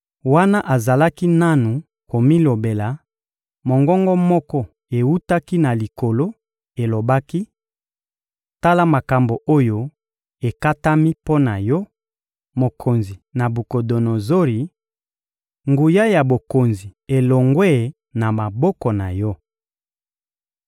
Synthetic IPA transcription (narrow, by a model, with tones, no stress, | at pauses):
wa˦na˦ʔa˨za˨la˦ki˦na˦nu˨ | ko˨mi˦lo˨be˨la˨ | mo˨ŋɡɔ˦ŋɡɔ˦mɔ˦kɔ˦ | e˨wu˦ta˦ki˦na˨li˨ko˨lo˦ | e˨lo˨ba˦ki˦˨ | ta˦la˦ma˨ka˨mbo˨ʔo˦jo˦ | e˨ka˦ta˦mi˦po˦na˨jɔ˦ | mo˨kʰo˨nzi˨na˨bu˨ko˨do˨no˨zo˦ʁi˨ | ŋɡu˨ja˦ja˨bo˨ko˨nzi˨e˨lɔ˨ŋɡwɛ˦ | na˨ma˨bɔ˦kɔ˨na˨jɔ˦